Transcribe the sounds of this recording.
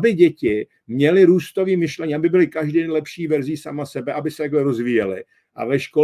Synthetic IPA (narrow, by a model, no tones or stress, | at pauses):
bɪɟɛcɪ | mɲɛlɪɾuːst̪o̞viːmɪʃlɛɲiːʔabɪbɪlɪkaʒdidɛnlɛpʃiːvɛɾziːsamasɛbɛʔabɪsɛt̪akɛɾo̞zviːjɛlɪ̰ | ʔa̰vɛʃko